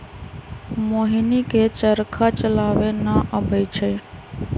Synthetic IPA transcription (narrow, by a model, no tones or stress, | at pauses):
moɦiniket͡ʃəɾkʰat͡ʃəlaʋenaʔəbʱəjt͡ʃʰe